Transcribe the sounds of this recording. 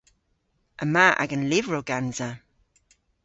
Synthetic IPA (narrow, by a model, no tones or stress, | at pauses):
ʔəmaʔa̰ɡənlɪvɹoɡanza